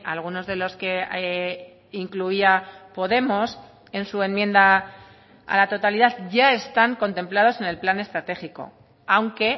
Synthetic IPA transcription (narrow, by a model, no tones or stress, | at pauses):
alɣ̞uno̞zðe̞lo̞ske̞ | iŋkluiapo̞ðe̞mo̞s | e̞nsue̞mje̞nd̪a | a̰lat̪o̞t̪aliðaðʝae̞st̪aŋko̞nt̪ẽ̞mplað̞o̞se̞ne̞lplane̞st̪ɾat̪e̞xiko̞̰ | awŋke̞